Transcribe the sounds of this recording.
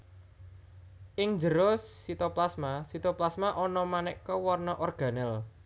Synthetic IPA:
ʔɪŋd͡ʒəɾʊsːit̪ɔplasmasit̪ɔplasmaʔɔnɔmanɛkɔwɔrnɔʔɔrɡ̥ä̤nɛl

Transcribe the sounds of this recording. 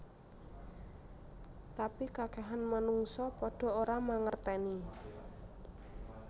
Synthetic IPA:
t̪apikaɡ̥aɦanmanuŋsɔpɔɖ̥ɔ̤oɾamaŋərt̪ɛni

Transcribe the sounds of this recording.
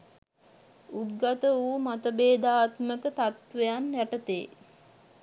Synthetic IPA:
uɡat̪əuːmat̪əbeːd̪aːt̪məkət̪at̪ʋejanjæʈət̪ḛː

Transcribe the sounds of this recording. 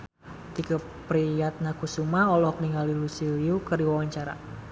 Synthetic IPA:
t̪ika | pɾijat̪̚nakusumaɔlɔhkniŋalilusiliukərdiwawaɲt͡ʃaɾa̰

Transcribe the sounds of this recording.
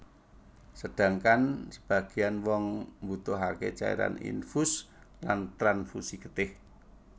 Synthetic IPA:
səd̥a̤ŋkansə̥b̥a̤ɡ̥ianwɔŋmbut̪ʊɦaket͡ʃaḛɾa̰nḭnfus | lant̪ɾanfusikət̪ɪh

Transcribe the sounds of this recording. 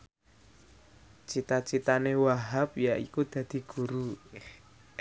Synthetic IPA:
t͡ʃit̪at͡ʃit̪anewaɦap̚jaʔikud̪̥ä̤d̪̥i̤ɡ̥ṳɾu

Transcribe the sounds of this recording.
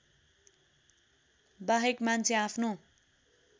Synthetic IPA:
baɦekmant͡sʰeapʰno

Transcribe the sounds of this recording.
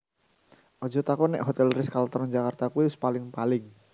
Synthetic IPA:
ʔɔ̥d͡ʒɔ̤t̪akɔnɛ̰ʔɦɔt̪ɛlɾɪskalt̪ɔɾɔnd͡ʒakart̪akuwiʊspalɪŋpalɪŋ

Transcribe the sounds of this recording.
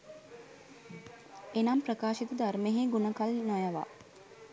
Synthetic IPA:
enamprɐkaːʃit̪əd̪armeɦeɡunəkalnɔjɐʋa̰

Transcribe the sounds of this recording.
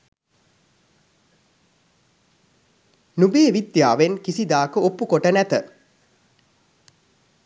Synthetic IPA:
nubeːʋid̪jaːʋenkisid̪aːkəopːukoʈənæt̪ə

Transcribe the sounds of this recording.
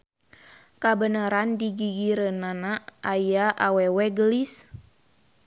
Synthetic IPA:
kabənaɾandiɡiɡiɾənanaʔajaʔawɛwɛɡəlis

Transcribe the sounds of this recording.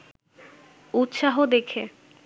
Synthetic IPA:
ut̪ːʃaɦod̪ekʰe

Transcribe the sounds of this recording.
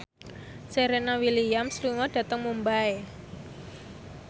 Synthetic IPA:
seɾenawilijamsluŋɔɖ̥ä̤t̪əŋmumbae

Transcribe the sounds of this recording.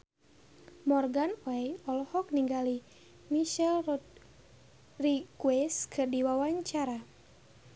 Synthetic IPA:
mɔrɡanwɛjɔlhɔk̚niŋɡali | miʃɛl | rikwɛskʰɨrdiwawaɲt͡ʃaɾa

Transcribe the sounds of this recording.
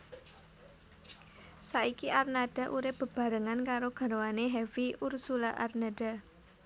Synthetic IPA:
saikiʔarnad̥a̤ʔuɾɪp̚b̥ə̤b̥a̤ɾəŋankaɾoɡ̥a̤ɾowaneɦɛviʔursulaʔa̰rnad̥a̤

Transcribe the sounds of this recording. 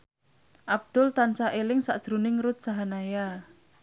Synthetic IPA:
ʔab̚d̪̥ʊlt̪ansaʔelɪŋsaʔd̥ʒ̥ɾunɪŋɾʊt̪̚saɦanaja

